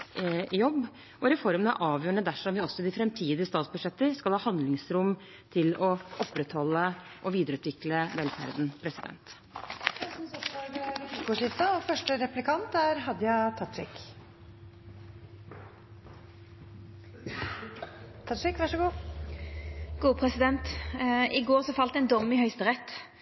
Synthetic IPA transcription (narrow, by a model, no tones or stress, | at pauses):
jɔbː | ʔɔɾɛfɔɾmənæ̰ʔɑːʋjøːɾəɳəd̪æʂɔmʋɪɔsːɔd̪ɪfɾɛmt̪ʰiːd̪ɪəst̪ɑːt̪sbʉd̪ʂɛt̪ːəɾskɑlhɑːhɑnd̪lɪŋsɾʊm | t̪ʰɪlɔʔɔpːɾɛt̪hɔlːəʔɔʋiːd̪əɾʉːt̪ʋɪkləʋɛlfæ̰ɾd̪n̩pʰɾɛsɪd̪ɛ̰nt̪ | msɔɑɾɛɪkʊʂɪft̪ɑɔfœʂʈəɾɛplɪkʰɑnt̪æɾɦɑd̪ːəjɑt̪ʰɑt̪ɾɪ̰k | t̪ʰɑʂɪkʋɑʂəɡuː | ɡ̥uːpʰʁɛsɪd̪ɛnt̪ʔɪɡoːʁsɔfɑlt̪ɛɪnd̪ɔmːɪhœʏst̪əʁɛt̪ː